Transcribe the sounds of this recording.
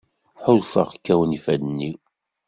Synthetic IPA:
ħʊðfə̰ʁkːæwənifæd̪ənːi

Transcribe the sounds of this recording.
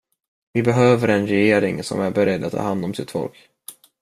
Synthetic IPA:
vɪbɛɦøːvəɾɛnɾɛjeːɾɪŋsɔ̰mæɾbɛɾɛd̪ːat̪ʰːɑ̰ːhand̪ɔmsɪt̪fɔ̰lk

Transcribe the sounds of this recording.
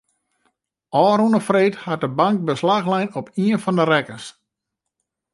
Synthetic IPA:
ʔɔːɾunəfreːthat̚dəbaŋk̚bəslaxlɛjnɔpiənfɔndərɛkəs

